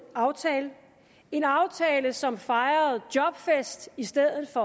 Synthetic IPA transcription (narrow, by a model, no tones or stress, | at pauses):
ʊ | e̝nɑ̈ʊt͡sʰɛːləsɒ̽mfɑ̈ɪɐð̩ˠd̥jɒ̽b̥fesd̥isd̥eð̰ˠð̩ˠfɒ̽